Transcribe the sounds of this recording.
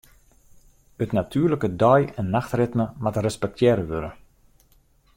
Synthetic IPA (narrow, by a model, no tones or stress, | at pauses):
ətnatʰyːləkədɔjɛnːaxtrɪtməmatərɛspɛk̚tʰjɛɾəʋøɾə